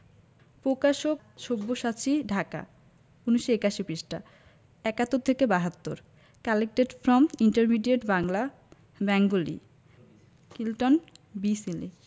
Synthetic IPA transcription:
pɾokaʃok | ʃobːoʃat͡ɕiɖʱaka̰ | uniʃoekaʃibiʃʈa | ɛkat̪ːoɾt̪ʰekebaɦat̪ːoɾ | kɛlek̚ʈeɖfɾɔmiɳʈeɾmiɖieʈbaŋla | bɛŋɡolḭ | kilʈonbisili

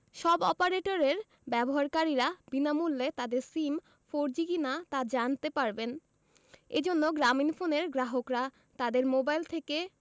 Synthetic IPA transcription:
ʃɔbɔpaɾeʈoɾeɾ | bɛboɦaɾkaɾiɾabinamulːet̪ad̪eɾsim | foɾd͡ʑikinat̪ad͡ʑant̪epaɾben | ed͡ʑonːoɡɾaminfoneɾɡɾaɦokɾa | t̪ad̪eɾmobajlt̪ʰeke

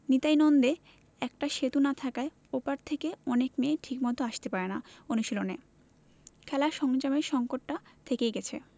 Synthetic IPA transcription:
nit̪ajnɔnd̪e | ɛkʈaʃet̪unat̪ʰakae | opaɾt̪ʰekeɔnekmeːʈʰikmɔd̪ʱoaʃt̪epaɾenaonuʃilone | kʰɛlaʃɔŋd͡ʑameɾʃɔŋkoʈːat̪ʰekejɡɛt͡ɕʰḛ

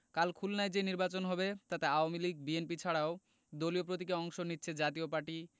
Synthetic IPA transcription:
kalkʰulnajd͡ʑeniɾbat͡ɕonɦɔbet̪at̪eaoamiliɡ̚bienpit͡ɕʰaɽao | d̪oliop̬ɾot̪̬ikeɔŋʃonitːɕʰed͡ʑat̪iopaɾʈi

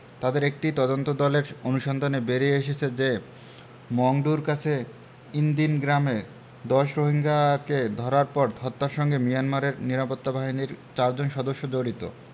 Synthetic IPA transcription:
t̪ad̪eɾek̚ʈit̪ɔd̪ont̪od̪ɔleɾonuʃɔnd̪ʱonebeɾieʃet͡ɕʰed͡ʑe | mɔŋɖuɾkat͡ɕʰe | ind̪inɡɾame | d̪ɔʃɾoɦiŋɡaked̪ʱɔɾaɾpɔɾt̪ʰɔt̪ːaɾʃɔŋɡemijanmaɾeɾniɾapot̪ːabaɦiniɾt͡ɕaɾd͡ʑonʃɔd̪oʃːod͡ʑoɾit̪o̰

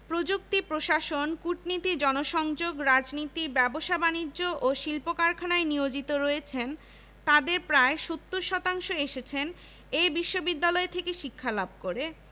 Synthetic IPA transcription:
pɾod͡ʑuk̚t̪ipɾoʃaʃonkuʈnit̪id͡ʑɔnoʃɔŋd͡ʑoɡɾad͡ʑnit̪ibɛboʃabanid͡ʑːoʔoʃilpokaɾkʰanaeniod͡ʑit̪oɾɔet͡ɕʰen | t̪ad̪eɾpɾaeʃot̪ːuɾʃɔt̪aŋʃoeʃet͡ɕʰen | ejbiʃːobid̪ːalɔet̪ʰekeʃikʰːalab̚ʱkoɾe

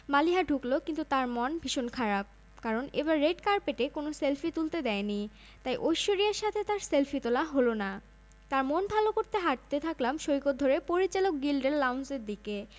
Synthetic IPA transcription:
maliɦaɖʱuklokint̪ut̪aɾmɔnbʱiʃonkʰaɾab̚ | kaɾonḛbaɾːeɖkaɾpeʈekonoselfit̪ult̪ed̪ɛeni | t̪ajʔojʃoɾiaɾʃat̪ʰet̪aɾselfʰit̪olaɦolona | t̪aɾmonbʱalokoɾt̪eɦaʈ̚t̪et̪ʰaklamʃoikod̪ʱoɾepoɾit͡ɕalok̚ɡilɖelːawnseɾd̪ike

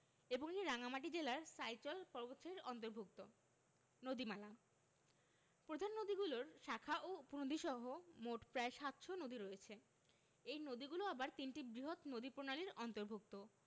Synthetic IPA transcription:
eboŋeiɾaŋamaʈ̬id͡ʑelaɾsajt͡ɕɔlpɔɾbot̪ʃaɾiɾɔnt̪̬oɾbʱuk̚t̪o | nod̪imala | pɾod̪ʱanːod̪iɡuloɾʃakʰaʔouponod̪ʱiʃɔɦomoʈpɾaeʃat̪ʃonod̪iɾoet͡ɕʰe | ejnod̪iɡuloabaɾt̪inʈibɾiɦot̪nod̪ipɾonaliɾɔnt̪oɾbʱuk̚t̪o

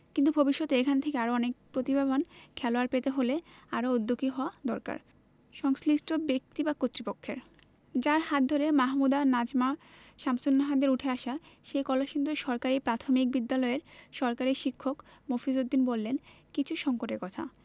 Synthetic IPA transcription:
kint̪ubʱobiʃːot̪ekʰanet̪ʰekeaɾoɔnek̚pɾot̪ibʱabʱonkʰɛloaɾpet̪eɦoleaɾood̪ʱːokiɦɔad̪ɔɾka̰ɾ | ʃɔŋsliʃʈobek̚t̪ibakot̪ːɾipokʰːeɾ | d͡ʑaɾhat̪̚d̪ʱoɾemaɦmud̪anad͡ʑma | ʃamsonːaɦad̪eɾuʈʰeaʃaʃejkɔlaʃind̪oʃɔɾkaɾipɾat̪ʰomik̚bid̪ːalɔeɾʃɔɾkaɾiʃikʰːokmofizod̪ːinbolːen | kit͡ɕʰuʃɔŋkoʈeɾkɔt̪ʰa̰

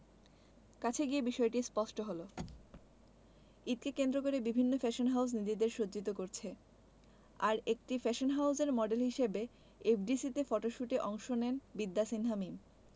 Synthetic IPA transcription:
kat͡ɕʰeɡiebiʃɔeʈispɔʃʈoɦolo | it̪̚kekend̪ɾokoɾebibʱinːofɛʃonɦaws̬nid͡ʑid̪eɾʃod͡ʑit̪okoɾt͡ɕʰe | aɾek̚ʈifɛʃonɦawzeɾmɔɖelɦiʃebe | epɖisit̪efɔʈoʃuʈeʔɔŋʃonenbid̪ːasinɦamim

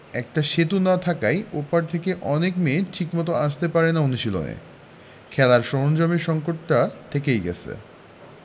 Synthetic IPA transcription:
ɛk̚ʈaʃet̪̬unat̪ʰakajopaɾt̪ʰekeʔɔnekmeʈʰikmɔt̪̬oaʃt̪epaɾenaonuʃilo̰nḛ | kʰɛlaɾʃɔɦond͡ʑɔmiʃɔŋkoʈːat̪ʰekejɡɛ̰t͡ɕʰḛ

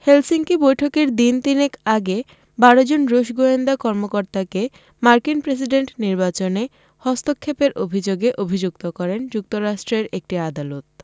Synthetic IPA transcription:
helsiŋkibojʈʰokeɾd̪int̪inekaɡe | baɽod͡ʑonɾoʃɡoend̪akɔɾmokoɾt̪ake | maɾkinpɾes̬iɖeɳʈniɾbat͡ɕone | hɔst̪okʰːepeɾʔo̰bʱid͡ʑoɡeʔobʱid͡ʑuk̚t̪okɔɾend͡ʑuk̚t̪oɾaʃʈɾeɾek̚ʈiad̪alot̪

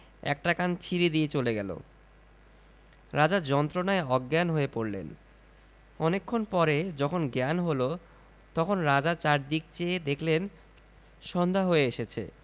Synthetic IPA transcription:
ɛ̰k̚ʈakant͡ɕʰiɾid̪iet͡ɕoleɡɛlo̰ | ɾad͡ʑaɾd͡ʑɔnt̪ɾonaeɔɡːanɦoepoɾlḛn | ɔnekʰːonpɔɾed͡ʑɔkʰonɡɛnɦolo | t̪ɔkʰonɾad͡ʑat͡ɕaɾd̪ik̚t͡ɕed̪ekʰlen | ʃɔnd̪ʱaɦoeeʃet͡ɕʰḛ

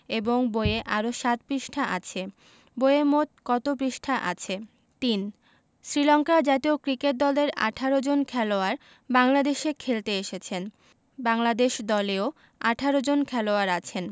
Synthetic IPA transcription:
eboŋboeeʔaɾoʃat̪̚pɾiʃʈʰaʔa̰t͡ɕʰe | bojemot̪̚kɔt̪opɾiʃʈʰaʔa̰t͡ɕʰe | t̪in | sɾilɔŋkad͡ʑat̪iokɾikeʈ̚d̪ɔleɾa̰ʈʰaɾod͡ʑonkʰɛloaɾ | baŋlad̪eʃekʰelt̪eeʃet͡ɕʰen | baŋlad̪eʃd̪ɔleo | aʈʰaɾod͡ʑonkʰɛloaɾat͡ɕʰen

